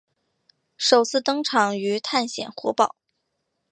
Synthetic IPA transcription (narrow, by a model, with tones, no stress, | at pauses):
ʂo˨˩ʊt͡sʰɹ̩˥˩t̪ɤ˥ŋʈ͡ʂʰɑ˨˩ŋy˧˥t̪ʰa˥˩nɕjɛ̰˨˩nxwɔ̰˧˥pɑ˨˩˦ʊ